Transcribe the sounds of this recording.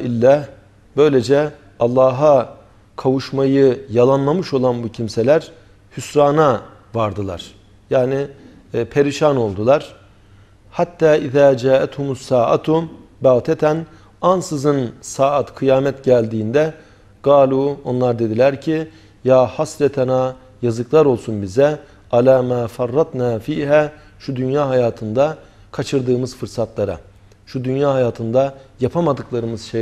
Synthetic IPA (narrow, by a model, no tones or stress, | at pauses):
ilʲːæh | b̥ø̞jlʲe̞d͡ʒɛ | ɑlˠːaːɦa | kʰavuʃmajɯjalˠanlˠamɯʃo̞lˠanbucʰimse̞lʲæɾ | hysɾaːna | vaɾd̪ɯlˠa̰ɾ̥ | jaːni | pʰe̞ɾiʃano̞lˠd̪ulˠaɾ̥ | hat̪ʰːaːiðaːd͡ʒaːʔɛt̪humusaːʔa̰t̪ʰubaːt̪ʰɛt̪ʰæn | ansɯzɯnsaːat̪kʰɯjaːmɛt̪ɟælʲd̪iːnd̪ɛ | ɡ̥aːlʲuːo̞nlˠaɾd̪e̞d̪ilʲæɾcʰi | jaːhasɾɛt̪ʰɛna | jazɯklˠaɾo̞lˠsunbizɛ | alaːmaːfarːɑt̪naːfiːɦæː | ʃud̪ynjaːɦajaːt̪ʰɯnd̪a | kʰat͡ʃʰɯɾd̪ɯːmɯzfɯɾsat̪lˠaɾa̰ | ʃud̪ynjaːɦajaːt̪ʰɯnd̪ajapʰamad̪ɯklˠaɾɯmɯz̥ʃe